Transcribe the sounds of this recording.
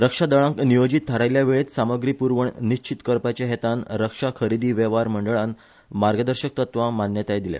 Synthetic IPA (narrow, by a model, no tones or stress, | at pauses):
ɾəkʂad̪əɭãŋknijod͡ʑit̪ʰːəɾajljaʋeɭet̪saməɡɾiːpuɾʋəɳniɕt͡ɕit̪kəɾpat͡ɕeɦet̪anɾəkʂakʰəɾid̪iːʋeʋaɾməɳɖəɭan | maɾɡəd̪əɾɕək̚t̪ət̪ʋamanjət̪ajd̪ilḛ